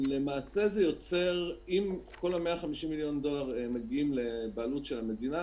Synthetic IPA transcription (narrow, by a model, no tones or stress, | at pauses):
le̞maːse̞zejo̞t͡se̞ʁimko̞lhameaχamiʃimːiljo̞nd̪o̞laʁemeɡiimle̞baːlutʃelame̞d̪ina